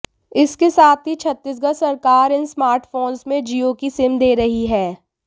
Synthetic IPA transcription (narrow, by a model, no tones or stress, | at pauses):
ɪskesaːt̪ʰɦit͡ʃʰɐt̪ːis̬ɡɐsɐɾkaːɾɪnsmaːɾʈfoːnsmẽd͡ʒiːokisɪmd̪eːɾɐɦiɦɛː